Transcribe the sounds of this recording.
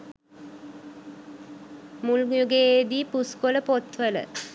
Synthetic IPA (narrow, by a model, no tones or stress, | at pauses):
mulɡjuɡeed̪iːpuskoləpot̪ʋələ̰